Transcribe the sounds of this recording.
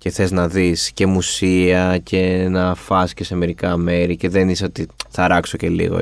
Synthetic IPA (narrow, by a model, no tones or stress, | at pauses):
ce̞θe̞znɐðisce̞musiɐcʰe̞nɐfɐsce̞se̞me̞ɾikɐme̞ɾice̞ðeniseo̞t̪iθɐɾɐkso̞ce̞lḭɣo̰